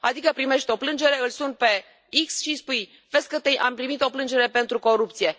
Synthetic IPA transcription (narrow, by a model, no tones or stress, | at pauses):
ad̪ikəpɾime̞ʃt̪ʲo̞plɨnd͡ʒe̞ɾe̞ɨlsunt̪̚pe̞ | iksʃispuj | veskət̪eʔampɾimit̪o̞plɨnd͡ʒe̞ɾe̞pe̞nt̪ɾuko̞ɾup̚t̪sije̞